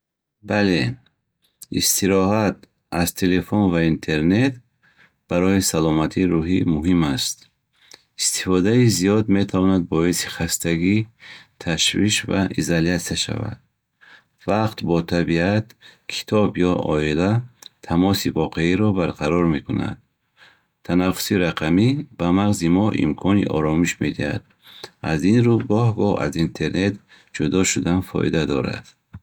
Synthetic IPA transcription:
bale̞ | ist̪ʰiɾɔɦat̪̚ | azt̪ʰe̞le̞fonvaint̪ʰe̞ɾne̞t̪ | b̥aɾɔisalɔmat̪ʰiɾuɦimuɦimast̪ | ist̪i̥fɔd̪aizijɔd̪me̞t̪ʰavɔnad̪̚bɔisi̥χast̪aɡit̪ʰaʃviʃva̰ʔḭzaljat̪saʃa̰va̰d̪̥̚ | vaqt̪bɔt̪ʰabiat̪kʰi̥t̪ʰɔbjɔʔɔilat̪ʰːamɔsivɔqʰe̞iɾɔbaɾqʰaɾɔɾme̞kuna̰d̪̚ | t̪ʰanafu̥siɾaqʰamib̥amaʁzimɔʔḭmkʰɔnḭʔɔ̰ɾɔmiʃmed̪iha̰d̪̚ | azinɾuɡɔhɡɔa̰zint̪ʰe̞ɾne̞t̪ | d͡ʒud̪ɔʃud̪anfɔ̰ʔḭd̪ad̪ɔɾa̰d̪̥

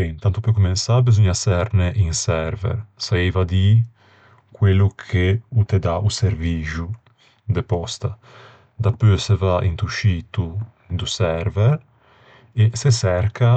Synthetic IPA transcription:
ent̪ant̪upøkumensabezuɲasɛɾneʔinsɛɾvɛ̰ɾsaevad̪i | kwelukʰeut̪ed̪aʔuseɾviʒu | d̪epɔst̪a | d̪apøsevaʔḭnt̪uʃit̪u | d̪usɛɾvɛɾ | esesɛɾka

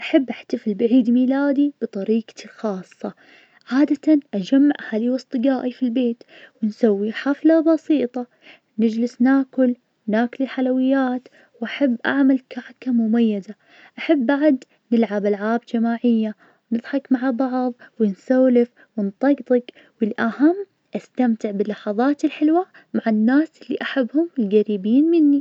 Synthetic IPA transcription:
ʔaħabːʔaħt̪afɪlbaʕiːd̪miːlaːd̪ib̥ɨt̪ˤɑɾiːqlxɑːsˤːɑ | ʕaːd̪at̪anʔad͡ʒamːaʕhaliːwɨsˤt̪ˤɨɡaːʔifilbeːt̪ | wɪnsawːiħaflabɑsiːt̪ˤɑ | nɪd͡ʒlɪsnaːkʊl | naːklɪlħalawɪjːaːt̪ | wʔaħabːʔa̰ʕmalkaʕkamʊmajːaza | ʔaħabːaʕd̪ | nɪlʕabʔalʕaːbd͡ʒamaːʕɪjːa | nɨðˤħɑkmaʕabɑʕðˤwɪnsaːlɪf | wɪnt̪ˤɑɡt̪ˤɑk | wɪlʔahamː | ʔast̪amt̪ɪʕbɪlːɑħɑðˤɑːt̪ɪlħɪlwa | maʕaɪnːaːsʔɪlːḭʔaħabːhʊmɪlɡaɾiːbiːnmɪnːi

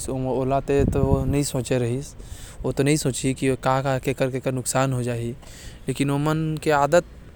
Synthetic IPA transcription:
sooːlat̪et̪oonɐɦĩsõːt͡ʃeɾɐɦisot̪onɐɦĩsõːt͡ʃikikɐɦãkakekɐɾkekəɾnʊksaːnɦod͡ʒaːileːkɪnomənkiaːd̪ət̪̚

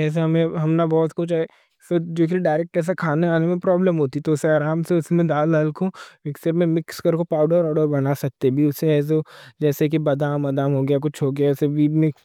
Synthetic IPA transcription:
ɛːs̬eɦɐmẽɦɐmnabɔːt̪kʊt͡ʃʰɦɛ | sod͡ʒoːk̬iɾiɖaːɾeːk̚ʈɛːs̬akʰaːneaːnemẽpɾɔːbləmɦoːt̪it̪oʊseaːɾaːmseʊsmẽd̪aːləlkomɪksəɾmẽmɪkskɐɾkopaːʊɖəɾɔːɖəɾbɐnasɐk̚t̪ebʱiʊseɛːs̬ed͡ʒɛːsek̬ibɐd̪aːmːɐd̪aːmɦoːɡɐjakʊt͡ʃʰɦoːɡjaɪseʋiːdmɪ̃

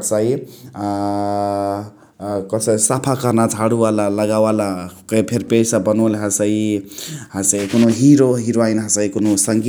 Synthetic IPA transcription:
t͡sai | kʌsʌisapʰakʌrnad͡zʱaɽualalʌɡawalakʌpʰeɾpesabʌnulɦasʌj | hat͡sajkunoɦiɾoɦiɾoajnɦat͡sʌjkunosʌŋɡi

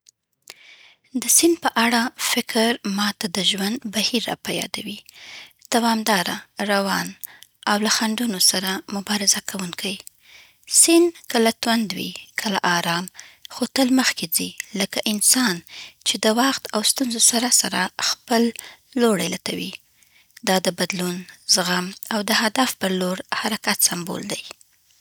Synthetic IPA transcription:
d̪əsɪnpəʔaɽafɪkɾmɑt̪ad̪əʒwand̪bahiɾːɑ̰pajɑ̰d̪awid̪̥awɑmd̪ɑɾaɾawɑnawlaxaɳɖunosaɾamʊbɑɾɪzakʰawunkʰaj | sɪnkəlat̪wand̪wḭkʰəla̰ʔɑɾɑmxot̪əlməxked͡ziləkaʔɪnsɑnt͡ʃed̪əwɑxt̪awst̪unzosaɾasaɾaxpəlːoɽa̰jlat̪awḭ | d̪ɑd̪əbad̪lunzɣamawd̪əɦad̪afpəɾloɾhaɾakat̪sambo̰ld̪aj

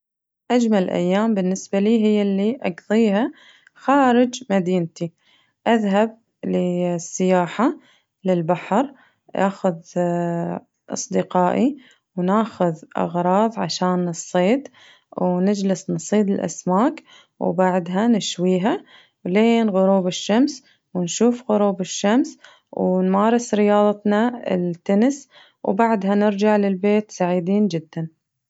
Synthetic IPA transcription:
ʔad͡ʒmalʔa̰jːaːmbɪnːɪsbaliːɦɪjːalːiʔɑɡðˤiːɦa | xaːɾɪd͡ʒmad̪iːnt̪i | ʔaðɦab̚ | lɪsːɪjaːħa | lɪlbaħɾ | ʔa̰ːxʊð | ʔɑ̰sˤd̪ɪqɑːʔi | wnaːxʊðʔɑ̰ɣɾˤɑːðˤʕaʃaːnɨsˤːeːd̪ | wnɪd͡ʒlɪsnsˤiːd̪ɪlʔa̰smaːk | wbaʕd̪ɦanɪʃwiːɦa | wleːnɣʊɾuːbɪʃːams | wɪnʃuːfɣʊɾuːbɪʃːams | wnmaːɾˤɪsɾɪjɑːðˤɑt̪nɑɪ̰lt̪ːʊnɪs | wbaʕd̪ɦanɪɾd͡ʒaʕlɪlbeːt̪saʕiːd̪iːnd͡ʒɪd̪ːan

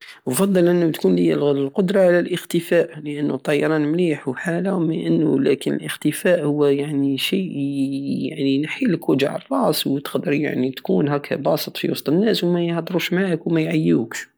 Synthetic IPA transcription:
wəfɑd̪ˤːɑlʔənːut̪kunləjːællqod̪ɾˤɑʕlælʔəxt̪əfæʔləʔənːut̪ˤːɑjɑɾˤɑnmliħħalawməʔənːʊlæ̰kənə̰lʔəxt̪əfæʔhʊwːjaʕniʃiʔja̰ʕninħiləkwæd͡ʒ̰ʕrˤːɑswt̪ə̥qd̪əɾja̰ʕnit̪kunɦækʰːæ̰bɑsət̪ˤfḭwɑst̪ˤənːæswmæjhd̪ˤɾuʃmaʕəkwmæjʕajːuk

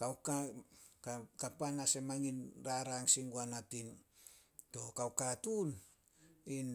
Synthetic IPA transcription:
kawkakakapanase̞maŋinɾaɾaŋsiŋɡuanatin | to̞kawkatun | in

